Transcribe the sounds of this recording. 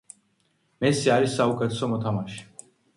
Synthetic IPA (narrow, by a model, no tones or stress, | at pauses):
mesjaɾisaukʼət̪ʰsɔmɔt̪ʰamaʃ